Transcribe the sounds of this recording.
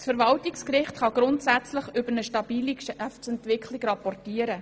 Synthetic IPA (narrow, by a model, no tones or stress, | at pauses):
sfəɾvɑltɪkskɾɪχtχɑɡɾʊntsæt͡sləχʏbəɾnəʃtɑbiːliʃæfsɛntʋɪkχlɪɡɾɑpɔrtiːəɾə